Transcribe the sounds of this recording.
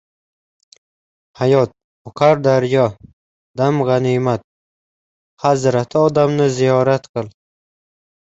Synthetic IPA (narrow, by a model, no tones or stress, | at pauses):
hajɒt̪̚ | ʊqʰaɾd̪aɾjɒ | d̪amʁɑnimat̪̚ | hazɾat̪ʰɪɒd̪amnɪzijɒɾat̪qʰɨlˠ